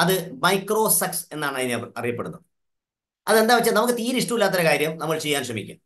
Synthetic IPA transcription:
ɐðɨmɐjkro̞ːsɐkse̞nːaːɳɐðineɐ̰rijɐpːeɽunːu | ɐðe̞nd̪aːʋɐt͡ɕːɨnɐmukːɨt̪iːɾiʂʈuilːaːt̪ːɐɾɐkaːɾjɐmnɐmːɐɭt͡ɕe̞jːaːnɕrɐmḭkʲːṵ

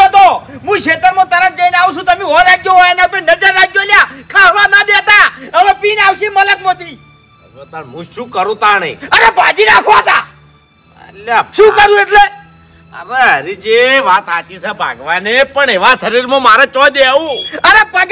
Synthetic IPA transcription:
ət̪o | mũʃʰet̪əɾmãt̪əɾad͡ʒəinaʋũt͡ʃũt̪əmĩoɾaɡjoɦonapẽnəd͡ʒəɾːaɡjoljakʰaʋãnad̪et̪aənepiːnaʋʃimələk̪mot̪ḭ | ɾot̪aɳmũʃũːkəɾũt̪anḛəɾebʱãd͡ʒinakʰʋoat̪a | ə̰laʃũːkəɾũeʈle | ə̰ɾeɦəɾit͡ʃeʋaːt̪at͡ʃisebʱa̰ɡʋanepəɳeʋaʃəɾiɾmãmaɾat͡ʃɔd̪eʋũəɾepəɡ

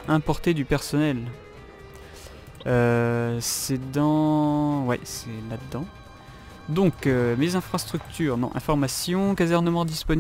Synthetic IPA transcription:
ɛ̃pɔʁt̪ed̪ypɛʁsɔnɛl | øsɛd̪ɑ̃wɛ̰sɛlad̪əd̪ɑ̃ | d̪ɔ̃kømezɛ̃fχast̪χyk̚t̪ʰyːʁnɔ̰̃ʔɛ̰̃fɔʁmasjɔ̃kazɛʁnəmɑ̃d̪ispɔn

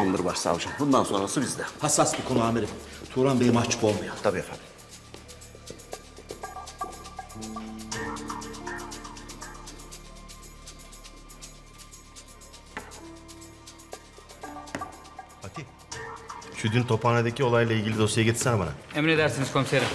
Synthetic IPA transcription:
unˠaɾɯbaʃsa̰lˠɯʃɯmbund̪anso̞nɾasɯbizd̪ɛhasasbikʰo̞nuameɾit̪ʰuːɾanbenimat͡ʃbolˠmajot̪ʰabiːafa̰n | fat̪ʰi | ʃyd̪ynt̪ʰo̞pʰaːnad̪ecʰio̞lˠajlˠailʲɟilʲid̪o̞sijaɡɟet̪ʰi̥ɾsænbana̰emned̪æɾsiniz̥kʰo̞mseɾi

